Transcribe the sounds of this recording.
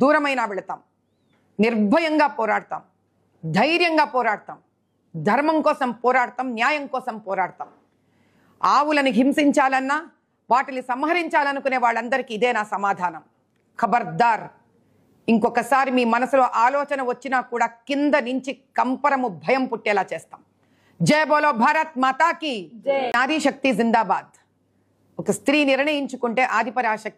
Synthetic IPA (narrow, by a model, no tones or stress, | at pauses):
d̪uːɾɐmɐjnaːʋɛɭɐt̪aːm | niɾbʱɐjɐŋɡaːpɔːɾaːɽɐt̪a̰ːm | d̪ʱɐjɾjɐŋɡaːpɔːɾaːɽɐt̪aːm | d̪ʱɐɾmɐmkɔːsɐmpɔːɾaːɽɐt̪aːmnjaːjɐŋkɔːsɐmpɔːɾaːɽɐt̪a̰ːm | aːwulɐnuɦimsiɲt͡ʃaːlɐnːaː | ʋaːʈinisɐmɦɐɾiɲt͡ʃaːlɐnukune̞ːʋaːɭːɐnd̪ɐɾikiːd̪eːnaːsɐmaːd̪ʱaːnɐm | kʰɐbɐɾd̪aːɾ | iŋkɔkɐsaːɾimiːmɐnɐsuloːʔaːlɔːt͡ʃɐnɐʋɐt͡ʃːinaːkuːɽaːkind̪ɐnuɲt͡ʃikɐmpɐɾɐmubʱɐjɐmpuʈːɛːlaːt͡ʃeːst̪aːm | d͡ʒeːboːloːbʱaːɾɐt̪̚mɐt̪aːkinaːd̪iːʃɐk̚t̪izind̪aːbaːd̪ | ɔkɐst̪ɾiːniɾɳɐjiɲt͡ʃukuɳʈe̞ːʔaːd̪ʱipɐɾaːʃɐk̪̚i